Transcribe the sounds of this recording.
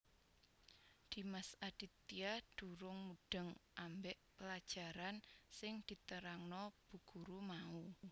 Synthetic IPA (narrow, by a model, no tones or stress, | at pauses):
d̪̥i̤masad̥i̤t̪ːiad̪̥ṳɾʊŋmuɖ̥ə̤ŋʔambɛʔpəlad̥ʒ̥a̤ɾansɪŋd̪̥i̤t̪əɾaŋnɔb̥ṳɡ̥ṳɾumau